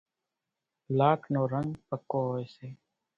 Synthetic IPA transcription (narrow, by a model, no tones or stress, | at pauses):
laːʈʰnoːɾəŋɡpəkːoːɦːeːseː